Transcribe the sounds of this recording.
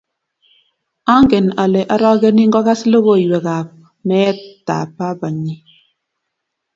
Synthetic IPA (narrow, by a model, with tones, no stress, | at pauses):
a˦ŋɡɛ˨na˨le˨ʔa˦ɾɔ˦ɡe˦ni˦ŋɡɔ˦ka˦slo˦ɣo˦˨i˨we˨ka˨p̚ | mɛ˦ta̰˨pa˦ba˨ɲi˦